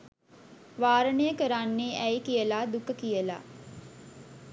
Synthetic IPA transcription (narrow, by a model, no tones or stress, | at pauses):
ʋaːɾənəjəkəɾanːeʔɛjkijəlaːd̪ukəkijəla̰